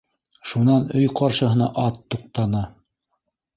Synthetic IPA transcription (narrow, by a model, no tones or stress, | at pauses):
ʃunɑnɵjqɑɾʃɤ̆ɦɤ̆nɑʔɑt̪ːuq̚t̪ɑnɤ